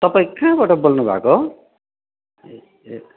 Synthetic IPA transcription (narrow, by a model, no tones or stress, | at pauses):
t̪ʌpãĩkãbaʈʌbolnubʱa̰ko